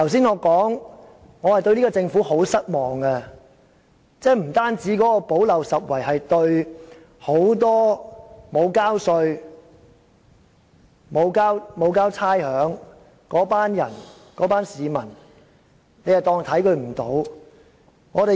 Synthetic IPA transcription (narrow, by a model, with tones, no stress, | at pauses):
t̪ʰɐ˨˩ws̬iː˥nŋɔː˨˧kɔː˨˥ŋ | ŋɔː˨˧hɐ˨˩jt̪̬ɵ˧ɥliː˥kɔ˧t͡sɪ˧ŋfuː˨˥ho˨˥wsɐ˥t̚mɔː˨˩ŋɡɐ˧ | t͡sɛː˥m̩˨˩t̪aː˥nt͡siː˨˥kɔː˨˥kɔː˧po˨˥wlɐ˨wsɐ˨t̚wɐ˨˩jhɐ˨jt̪ɵ˧ɥ | ho˨˥wt̪ɔː˥mo˨˧wkaː˥wsɵ˧ɥ | mo˨˧wkaː˥wmo˨˧wkaː˥wt͡sʰaː˥jhœː˨˥ŋ | kɔː˨˥paː˥njɐ̰˨˩n | kɔː˨˥paː˥nsiː˨˧mɐ˨˩n | ne˨˧jɐ˨˩wt̪ɔː˧ŋt̪ʰɐ˨˥jkɵ˨˧ɥm̩˨˩t̪o̰˨˥w | ŋɔː˨˧ɾe˨